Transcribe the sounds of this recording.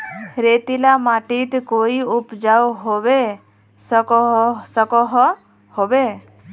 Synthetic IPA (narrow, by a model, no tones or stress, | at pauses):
ɾet̪ilamaʈit̪koiupd͡ʒawɦobe | sksəkɔɦɔ | hobe